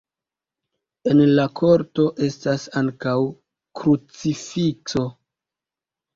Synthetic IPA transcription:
enlakʰo̞ɾto̞ʔe̞stasaŋkaw | kɾut͡sifikso̞

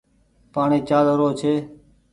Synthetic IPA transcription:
paːɳeːt͡ʃaːləɾoːt͡ʃʰeː

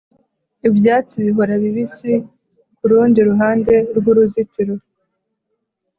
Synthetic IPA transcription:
ibjaːt͡siβiɦo̞ɾaβiβisi | kuɾuːndiɾuɦaːnde̞ɾɡuɾuzitiɾo

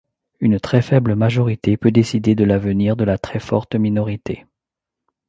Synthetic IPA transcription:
ynt̪χɛfɛbləmaʒɔʁit̪epød̪esid̪ed̪əlavəniʁd̪əlat̪χɛfɔ̰ʁt̪minɔʁit̪ʰḛ

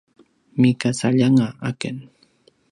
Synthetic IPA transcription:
mɪkasaʎaŋaakan

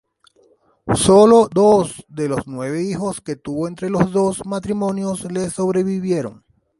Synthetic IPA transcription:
so̞lod̪osd̪e̞lo̞snwe̞β̞e̞ixo̞ske̞t̪uβo̞e̞nt̪ɾe̞lo̞zðo̞smat̪ɾimõ̞njo̞sle̞so̞βɾe̞βiβje̞ɾo̞̰ŋ

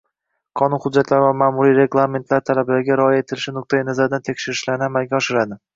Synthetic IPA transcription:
qʰɒnʊnχʊd̪d͡ʒːat̪ʰlaɾɪvamaːmʊɾiɾe̞ɡlˠame̞nt̪ʰlaɾt̪ʰalablaɾɪɡʲaɾɒːjaet̪ʰɪlɪʃɪnʊq̚t̪ʰajanazaɾd̪ant̪ʰekʲʃɪɾɪʃlaɾnɪamalɡʲaɒʃɪɾad̪ɪ

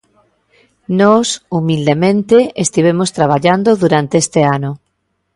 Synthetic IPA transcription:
nosumild̪emẽnt̪eest̪iβ̞emost̪ɾaβ̞aʎand̪oðuɾant̪eest̪eano

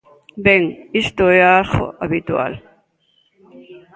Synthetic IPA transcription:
beŋist̪oeaxo̰ʔaβit̪ua̰l

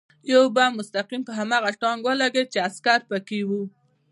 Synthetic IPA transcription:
jawbamʊst̪aqimkəɦamɑɣaʈɑŋɡwəlaɡet͡ʃeaskaɾpəkewu

